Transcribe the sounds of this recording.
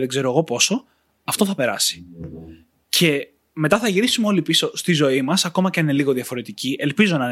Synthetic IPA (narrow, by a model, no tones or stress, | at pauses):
ðeɡze̞ɾo̞eɣo̞po̞so̞ | ɐft̪o̞θɐpe̞ɾɐsi̥ | cʰe̞ | me̞t̪ɐθɐʝiɾisumeo̞lipiso̞st̪izo̞imɐsɐko̞mɐceineliɣo̞ðiɐfo̞ɾe̞t̪iciʔe̞lpizo̞nɐ